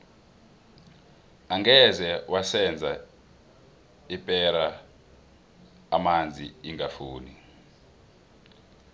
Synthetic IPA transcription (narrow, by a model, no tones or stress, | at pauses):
aŋɡɛzɛwasɛnd͡zʱa | ipʼɛɾa | mand͡zʱiiŋafuːni